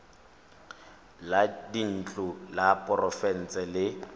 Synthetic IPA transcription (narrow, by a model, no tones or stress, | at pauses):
ladin̩t͡ɬʼʊlapʼɔrɔfɛn̩t͡sʼɛlɪ